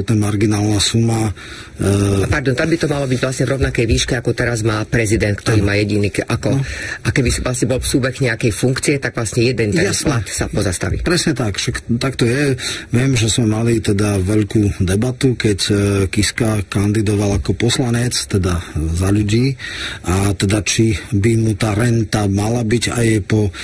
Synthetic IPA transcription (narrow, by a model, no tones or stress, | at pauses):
ɔt̪nɛmaɾɡinaːlnasuma | paɾd̪ɔnt̪abit̪ɔmalɔbiɟvlasɲɛvɾɔʊnakɛjʋiːʃkɛakɔt̪ɛɾazmaːpɾɛzid̪ɛnt̪̚k̚t̪ɔɾiːmaːjɛɟiniːkʔakɔʔakɛbisʋlasɲɛbɔlfsuːbɛɣɲɛakɛjfuŋkt͡siɛt̪aɡ̥ʋlasɲɛjɛd̪ɛnt̪ɛjaslat̪sapɔzast̪a̰ʋḭpɾɛsɲɛt̪akfʃakt̪akt̪ɔjɛʋɪɛmʒɛz̥mɛmalit̪ɛd̪aʋɛʎkuːd̪ɛbat̪ukɛckiskakand̪id̪ɔʋalakɔpɔslaɲɛt͡st̪ɛd̪azaʎuɟiːʔat̪ɛd̪at͡ʃibimut̪aːɾɛnt̪amalabiɟa̰jɛpɔ